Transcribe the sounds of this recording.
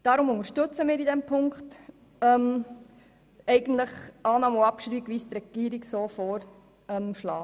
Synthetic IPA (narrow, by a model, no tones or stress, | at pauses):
d̥ɑːɾʊmʊŋəɾʃtɵt͡səmiːɾidɛmpʰʊŋkχt | ɛm | ɛɪɡən̩tləχɑːnɑːmuɑpʃɾiːɡʋiːst̪ɾɛɡ̥iːɾiɡsoːfoːɾ | ɛmʃlɑː